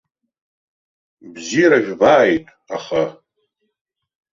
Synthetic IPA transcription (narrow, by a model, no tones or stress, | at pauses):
bzijɾaʒʲᶣbaːjtʼ | aχa